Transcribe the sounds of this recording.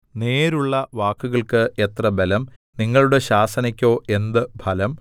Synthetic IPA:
ne̞ːɾuɭːɐʋaːkːuɣɐɭkɨet̪rɐbelɐm | niŋːɐɭuɽe̞ɕaːsɐnikʲːo̞ːʔe̞nd̪ɨbʱɐlɐm

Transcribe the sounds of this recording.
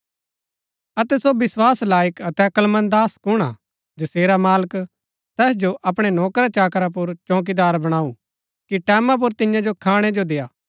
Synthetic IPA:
ɐt̪ɛsobɪswaːslaːjəkɐt̪ɛkəlmə̃nd̪aːskʊɽ̃a̰ | d͡ʒɐseːɾamaːlək | t̪ɛːsd͡ʒoʔɐpɽ̃enɔːkɾat͡ʃaːkɾap̬ʊɾt͡ʃɔ̃ːk̬id̪aːɾbɐɽ̃aːu | kiʈɛːmãp̬ʊɾt̪ɪjãd͡ʒokʰaːɽ̃ed͡ʒod̪eːjaː

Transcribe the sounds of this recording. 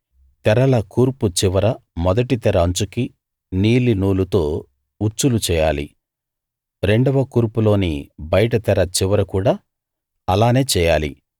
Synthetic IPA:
t̪ɛɾɐlɐkuːɾput͡ʃiʋɐɾɐmɔd̪ɐʈit̪ɛɾɐːɲt͡ʃuki | niːlinuːlut̪o̞ː | ut͡ʃːulut͡ʃɛːjaːlḭ | ɾe̞ɳɖɐʋɐkuːɾpulo̞ːnḭbɐjɐʈɐt̪ɛɾɐt͡ʃiʋɐɾɐkuːɽaː | ɐlaːne̞ːt͡ʃɛːjaːlḭ

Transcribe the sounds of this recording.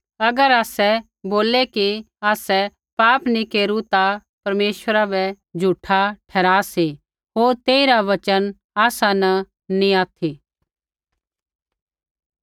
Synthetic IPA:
ɐɡəɾaːsɛ | boːlɛki | aːsɛ | paːpnikeːɾut̪a | pɐɾmeːʃwəɾabɛ | d͡ʒʱuʈʰaʈʰɛːɾaːsi | ɦoːɾt̪eːiɾaʋɐt͡ʃən | aːsanɐ | niaːt̪ʰiː

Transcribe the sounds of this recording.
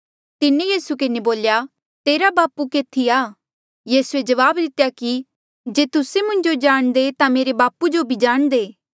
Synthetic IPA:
t̪ɪnejiːsukɪneboːlja | t̪eːɾabaːpukeːt̪ʰːiaː | jiːsued͡ʒɐʋaːbd̪ɪt̪ejaki | d͡ʒeːt̪ʊsemʊ̃ɲd͡ʒod͡ʒaːɽ̃d̪et̪ameːɾebaːpud͡ʒobʱid͡ʒaːɽ̃d̪eː

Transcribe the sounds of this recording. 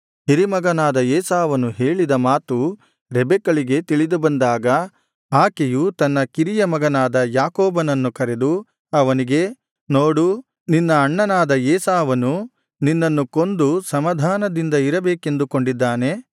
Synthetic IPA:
ɦiɾimɐɡɐnaːd̪ɐeːsaːʋɐnuɦeːɭid̪ɐmaːt̪u | ɾɛbɛkɐɭiɡe̞t̪iɭid̪ubɐnd̪aːɡɐ | aːkejut̪ɐnːɐkiɾijɐmɐɡɐnaːd̪ɐjaːkoːbɐnɐnːukɐɾe̞d̪u | ɐʋɐniɡe̞ | noːɽu | ninːɐːɳːɐnaːd̪ɐeːsaːʋɐnu | ninːɐnːuko̞nd̪usɐmɐd̪ʱaːnɐd̪ind̪ɐiɾɐbeːke̞nd̪ukoɳɖid̪ːaːne̞

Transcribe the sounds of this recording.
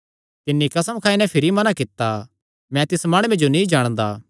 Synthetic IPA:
t̪ɪnːikɐsəmkʰaːinɛ̃pʰɪɾimɐnakɪt̪ːa | mɛ̃t̪ɪsmaːɽ̃uẽd͡ʒonĩd͡ʒaːɽ̃d̪a̰ː

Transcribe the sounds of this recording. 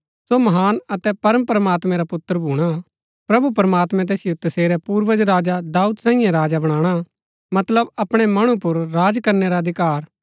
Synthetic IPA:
somɐɦaːnɐt̪ɛpɐɾəmpɾəmaːt̪mɛ̃ɾapʊt̪ːəɾbʱuːɽ̃a | pɾɐbupɾmaːt̪mɛ̃t̪̬ɛːsɪjot̪ɐseːɾɛpuːɾʋəd͡ʒɾaːd͡ʒad̪aːud̪sãːɪ̃jãɾaːd͡ʒabɐɽ̃ãːɽ̃a | mɐt̪ləbɐpɽ̃ɛmɐɽ̃upʊɾːaːd͡ʒkɐɾneɾad̪ʱɪkaːɾ

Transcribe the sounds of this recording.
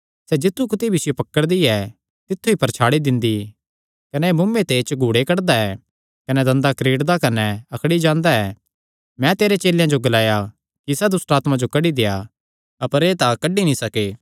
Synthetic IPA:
sɛd͡ʒɪt̪ʰːukʊt̪ibʱɪsjopɐkːəɽd̪iɛ | t̪ɪt̪ʰːuipɐɾt͡ʃʰaːɽid̪ɪ̃nd̪i | kɐnɛmʊmːẽt̪et͡ʃɡʱuːɽekɐɽd̪aɛ | kɐnɛd̪ɐ̃nd̪akɾiːɽd̪akɐnɛɐkʰɽid͡ʒãːnd̪aɛː | mɛ̃t̪eːɾet͡ʃeːljãd͡ʒoɡɐlaːja | kisɛd̪ʊsʈaːt̪mãd͡ʒokɐɽid̪eːa | ɐpəɾeːt̪akɐɖinĩsɐkeː

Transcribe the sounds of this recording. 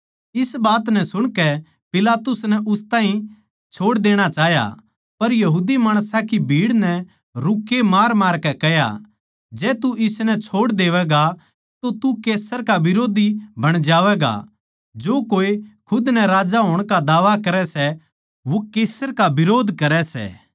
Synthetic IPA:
ɪsbaːt̪nɛ̃sʊɽ̃kɛ | pɪlaːt̪ʊsnɛʔʊst̪ãːɦĩ | t͡ʃʰoːɽd̪eːɽ̃at͡ʃaːɦja̰ | pɐɾjɐɦuːd̪imaːɽ̃sakibʱiːɽnɛ | ɾʊkːemaːɾmaːɾkɛkɛɦja̰ | d͡ʒɛːt̪uʔɪsnɛt͡ʃʰoːɽd̪eːʋɛɡa | t̪ot̪ukeːsəɾkaʋɪɾoːd̪ibʱɐɽ̃d͡ʒaːʋɛɡa̰ | d͡ʒoːkoːekʰʊd̪nɛɾaːd͡ʒaɦoːɽ̃kad̪aːʋakɐɾɛsɛ | ʋokeːsəɾkabɪɾoːd̪ʱkɐɾɛsɛ̰ː

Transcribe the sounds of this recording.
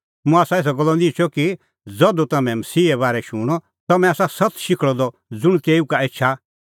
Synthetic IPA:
mũaːsaeːs̬ɔɡɔlːɔd̪it͡ʃʰɔki | d͡zɔd̪ut̪ɐmɛ̃mɐsiːɛβaːɾɛʃʊːɽ̃ɔ | t̪ɐmɛ̃aːsasɐt̪ʃɪkʰɭɔd̪ɔ | d͡zʊɽ̃t̪eːukaeːʃʰa

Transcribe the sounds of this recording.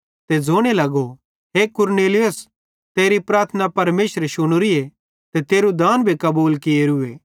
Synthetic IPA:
t̪ed͡zʱoːɽ̃elɐɡo | ɦekʊɾneːlɪjʊs | t̪eːɾipɾaːɾt̪ʰənapɐɾmeːʃɾeʃʊɽ̃ʊɾie | t̪et̪eːɾud̪aːnbʱikɐbuːlkɪeɾʊeː

